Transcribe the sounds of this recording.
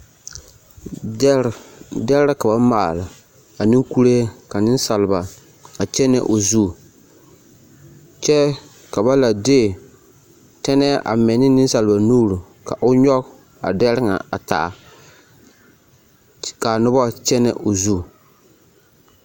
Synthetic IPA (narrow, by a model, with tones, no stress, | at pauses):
dɛ˦ɾdɛ˦lɾa˦ka˨ba˦maː˨la˨ | a˨nɪ˦ŋku˦ɾe˦ka˨nɪ˦n˦sa˨lba˨ | a˨t͡ʃɛ˦nɛ̰˨ʔo˨zu˦˨ | t͡ʃɛ˦ | ka˨ba˦la˨deː˦˨ | tɛ˦nɛ˦ʔa̰˨mɛ˨nɪ˦nɪ˦n˦sa˨lba˨nuː˦ɾu˨ | ka̰˨ʔʊ˦ɲɔ˦ɣ | a̰˨dɛ˦ɾɪ˦ŋa̰˨a˨ta̰˨ʔa̰˨ | ka˨nʊ˦bɔ˦t͡ʃɛ˦nɛ̰˦ʔo˨zu˦˨